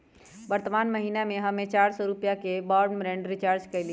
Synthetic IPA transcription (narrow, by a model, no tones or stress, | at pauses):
ʋəɾt̪əmaːnməɦinamẽɦəmẽt͡ʃaːɾsɔɾupjakebɔɾɳbɾẽɳɖɾɪt͡ʃaːɾd͡ʒkəɪli